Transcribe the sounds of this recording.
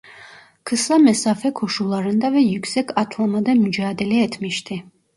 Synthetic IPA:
kʰɨsamɛsafɛkʰɔʃulˠaɾɛnd̪avɛjuksɛkʰat̪ʰlˠamad̪ɛmd͡ʒaːd̪ɛliɛt̪ʰmiʃt̪ʰɛ

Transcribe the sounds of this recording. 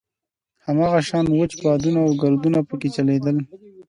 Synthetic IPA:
hamɑːɣaʃɑnwət͡ʃbɑd̪unaawɡald̪unapəket͡ʃaled̪əl

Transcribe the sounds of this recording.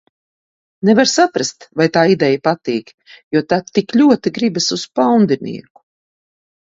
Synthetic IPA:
nɛvaɾsapɾast̪vajt̪aːid̪ɛjapat̪iːk | juɔt̪at̪ːiklʲuɔt̪iɡɾibasuspawnd̪inḭɛku̥

